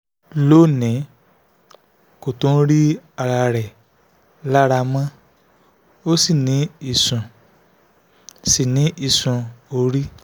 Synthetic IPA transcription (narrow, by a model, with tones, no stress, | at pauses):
lo˦˨nĩ˨˦ | ko˨tõ˨˦ɾi˦a˧ɾa˧ɾɛ˨ | la˦ɾa˧mã˦ | o˦si˦˨nĩ˨˦i˦˨sũ˨ | si˨nĩ˨˦ʔi˦˨sũ˨˧o˧ɾi˦